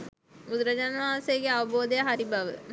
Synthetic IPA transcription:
mud̪ɾɐd͡ʑanʋaːseɡeaʋɐboːd̪ejɐɦaɾibɐʋə̰

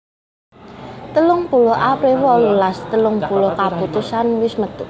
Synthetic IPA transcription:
t̪əlʊŋpulɔʔapɾiwɔlulast̪əlʊŋpulokaput̪usanwɪsmət̪u

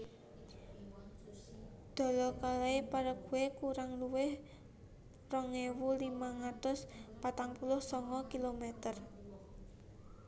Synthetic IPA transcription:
d̪̥ɔ̤lɔkalaepaɾəɡ̥uwekuɾaŋluwɪh | rɔŋewulimaŋat̪ʊspat̪aŋpulʊhsɔŋɔkilomɛt̪ər

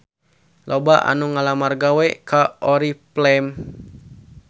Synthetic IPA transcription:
lɔbaʔa̰nuŋalamarɡawɛkaʔɔɾiplɛm

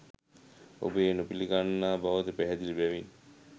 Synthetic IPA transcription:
o̰beːnopiliɡanːaːbaʋat̪epæɦɛd̪ilibɛʋin

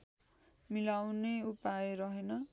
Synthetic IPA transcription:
milawneupaeɾʌɦenʌ

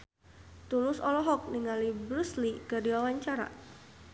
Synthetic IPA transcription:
t̪ulʊsɔlɔɦɔk̚niŋalibɾuslikərdiwawaɲt͡ʃaɾa̰

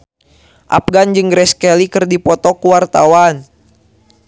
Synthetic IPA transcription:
ʔa̰p̚ɡand͡ʒɨŋɡɾɛskɛlikɨrdipɔt̪ɔkuwart̪awan

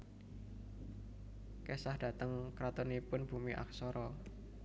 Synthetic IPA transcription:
kesahd̥ä̤t̪əŋkɾat̪ɔnipʊnb̥ṳmiʔa̰k̚sɔɾɔ

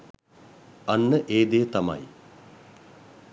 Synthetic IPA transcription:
anːəʔeːd̪eːt̪ama̰j

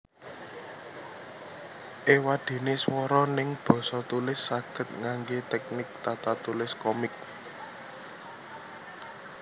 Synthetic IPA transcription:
ʔewaɖ̪̥e̤neswɔɾɔnɪŋb̥ɔ̤sɔt̪ulɪsːaɡ̥ə̤t̪̚ŋaŋɡet̪ɛk̚nɪk̚t̪at̪at̪ulɪskɔmɪk̚

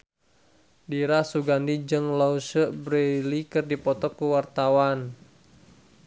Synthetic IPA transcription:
diɾasuɡandid͡ʒɨŋlausəbɾelikɨrdipɔt̪ɔkuwart̪awan

